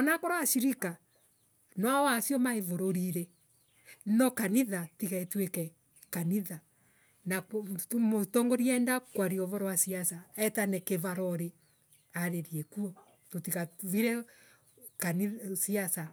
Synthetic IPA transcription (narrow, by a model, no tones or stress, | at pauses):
ɔnakoɾaaʃiɾika | nwawasjɔmaevoɾoɾiɾe | nɔkaniðatiɣaetwekɛ | kaniða | namotɔŋɡoɾiɛndakwaɾiɔvɔɾowasiasaɛtanɛkevaɾɔɾe | aɾeɾiekuɔ | totiɣaviɾɛ | kanisiasa